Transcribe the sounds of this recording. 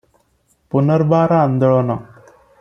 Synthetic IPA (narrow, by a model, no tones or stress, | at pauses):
punəɾbaːɾaːnd̪ɔɭɔnɔ